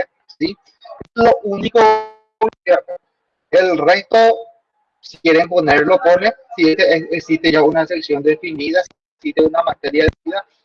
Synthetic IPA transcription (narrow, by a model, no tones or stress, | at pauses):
e | si | eslo̞ʔuniko | jaɾpo | elrest̪o̞ | sikje̞ɾempo̞neɾlopo̞nesiest̪eeksist̪eʝaunaseksjo̞nd̪e̞finiðasi | ksist̪eunamat̪e̞ɾjaðeβiða